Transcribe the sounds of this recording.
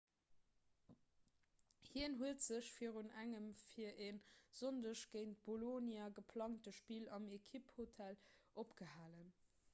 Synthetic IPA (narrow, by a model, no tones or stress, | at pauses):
hiənɦuətz̥əɕfiːəʁunæŋəmfiɐʔeːnz̥ondəʃɡ̥eɪnt̚b̥olonjaɡəpʰlɑŋtəʃpiːlɑmekʰiphotʰælʔopɡ̥əhaːlən